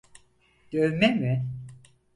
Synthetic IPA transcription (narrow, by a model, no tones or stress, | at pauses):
ɟ̪̥øɾmemɪ